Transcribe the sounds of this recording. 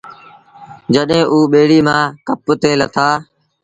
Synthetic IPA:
d͡ʒəɗɦẽːʔuːɓeːɽiːmãːkəpt̪eːlət̪ʰaː

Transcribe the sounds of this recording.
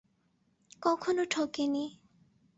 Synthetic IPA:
kɔkʰɔnoʈʰokeni

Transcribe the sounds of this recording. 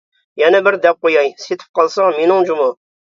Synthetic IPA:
jɛnɛbɪɾd̪ɛp̚qojɑjset̪ʰɪ̥p̚qʰɑlˠsɑŋmenɪŋd͡ʒumu

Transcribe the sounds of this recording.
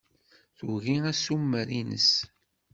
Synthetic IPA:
θuɣiæsumːəɾinə̰s

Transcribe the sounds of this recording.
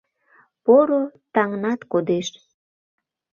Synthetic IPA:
poɾot̪ɑŋnɑt̪kod̪eʃ

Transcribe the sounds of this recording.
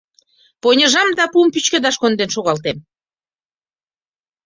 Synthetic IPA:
ponʲəʒɑmd̪ɑpumpyt͡ɕkə̆d̪ɑʃkond̪enʃoɣɑlt̪em

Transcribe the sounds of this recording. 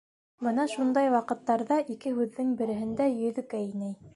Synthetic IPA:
bɤnɑʃund̪ɑjwɑqɤ̆t̪ːɑɾðɑʔikɘɦʉðːɘŋbɘ̆ɾɘ̆ɦɘ̆nd̪æjɵ̆ðɵ̆kæinæj

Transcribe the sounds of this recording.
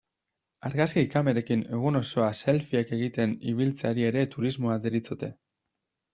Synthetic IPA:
aɾɣaskiikame̞ɾe̞kine̞ɣ̞uno̞so̞ase̞lfiake̞ɣit̪e̞nḭβilt͡saɾie̞ɾe̞t̪uɾizmoaðeɾit͡sot̪e̞

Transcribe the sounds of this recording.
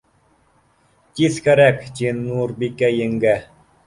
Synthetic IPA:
t̪ʲiskæɾækt͡ɕinːuɾbikːæjɘŋɡæ

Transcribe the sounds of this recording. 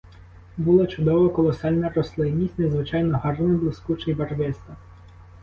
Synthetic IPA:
bʊlˠat͡ʃʊd̪ɔʋɐkɔlˠɔsɑlʲnɐɾɔslˠɪnʲisʲtʲnɛzʋɪt͡ʃɑjnɔɦɑrnɐblˠɪskut͡ʃɪjbɐrʋɪst̪ɐ

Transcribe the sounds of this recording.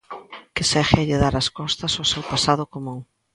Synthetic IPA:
kɪsɛxɪaʎeðaɾɐskɔst̪ɐsosewpasaðʊkomuŋ

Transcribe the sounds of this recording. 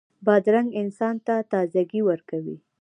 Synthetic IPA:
bɑd̪ɾaŋɡɪnsɑnt̪at̪ɑzaɡiwəɾkawḭ

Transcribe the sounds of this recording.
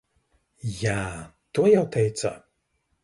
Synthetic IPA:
jaː | t̪uɔjawt̪ʰɛjt̪sa̰

